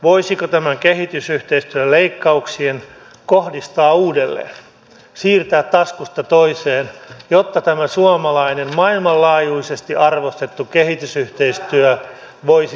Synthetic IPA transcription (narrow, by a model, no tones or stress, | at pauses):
ʋoisikot̪æmæŋkehit̪ysyht̪eist̪yæleikːɑuksien | kohdist̪ɑːuːdelːḛːn | siːrt̪æːt̪t̪ɑskust̪ɑt̪oiseːnjot̪ːɑt̪æmæsuɑmɑlɑinemmɑilmɑllɑːjuisest̪iʔɑrʋost̪et̪ːukehit̪ysyht̪eist̪yœ | ʋoisi